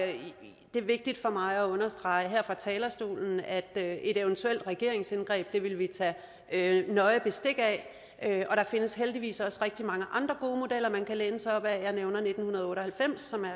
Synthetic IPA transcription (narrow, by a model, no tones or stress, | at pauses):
d̥e̝ɐʋe̝ɡ̥̚d̥id̥fɒ̽mɑ̈ɪɒɔ̽nɐsd̥ʁɑ̈ɪəɦeɐ̰fʁɑ̈t͡sʰɛːlɐsd̥o̝̰ːln̩æd̥e̝d̥eʊənt͡sʰuel̰d̥ʁɛɡ̥e̝ɐe̝ŋsenɡ̥ʁɛ̰ːb̥̚d̥e̝ʋe̝lʋit͡sʰɛ | nɒ̽ɪb̥e̝sd̥e̝ɡ̥æ | øɒ̽ɾ̥ɑ̈fe̝nəsɦeld̥iʋḭːsɒ̽sʁɛɡ̥̚d̥imɑ̈ŋəʔɑ̈nd̥ʁɐɡ̥o̝ːmo̝d̥el̰ɐmænkʰæleːnəsaɒ̽b̥æjɑ̈ɪneʊnɐne̝d̥n̩hunɐð̞̩ˠɔ̽ːɾɒhælfem̰sːɒ̽mæɐ